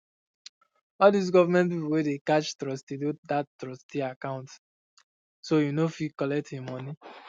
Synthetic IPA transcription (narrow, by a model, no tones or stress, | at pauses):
ɔldis̬ɡɔvamɛ̃ntpipuwedekat͡ʃtɹɔstidodattɹɔstiakãʊ̃nt | sojunofikɔlɛk̚tĩmɔ̃ni